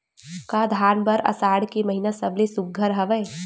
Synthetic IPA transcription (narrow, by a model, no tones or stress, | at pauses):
kad̪ʱaːnbəɾɐ̰saːɽkemɐɦinasɐblesʊk̚ɡʱəɾɦɐʋə